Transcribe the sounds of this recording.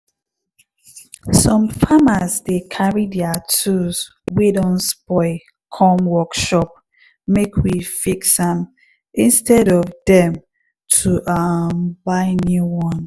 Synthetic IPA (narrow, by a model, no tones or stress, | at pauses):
sɔ̃mfamazdekʰaɹidɛatʰus | wedɔ̃nsbɔɪ | kʰɔ̃mwɔkʃɔp̚ | mekʰwifiksãm | ĩnstɛɾɔvdɛ̃m | tʰuʔambaɪnuwɔ̃n